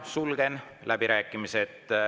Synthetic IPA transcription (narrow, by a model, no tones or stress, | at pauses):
sulɡ̥enlʔæbiɾæːkːˑimiset̪ː